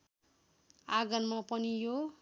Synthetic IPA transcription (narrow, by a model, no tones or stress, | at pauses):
aɡʌnmapʌnijo